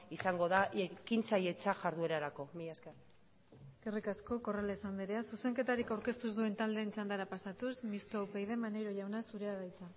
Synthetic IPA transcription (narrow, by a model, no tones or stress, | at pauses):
isaŋɡo̞ðaekint͡saje̞t͡saʝaɾðue̞ɾaɾako̞mijaskar | kerikasko̞ko̞ralaesand̪iɾeasuse̞ŋke̞t̪aɾikawɾke̞st̪uzd̪ue̞nt̪ald̪e̞ːnt͡ʃand̪aɾapasat̪usmist̪o̞pejðe̞maneɾoʝawnasuɾe̞aðajt͡sa